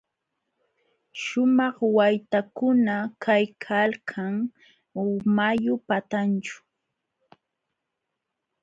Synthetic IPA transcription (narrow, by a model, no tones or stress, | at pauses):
ʃʊmɑχwajt̪akʊnakʰajkʰalkʰaŋ | majʊpat̪ant͡ʃʊ̥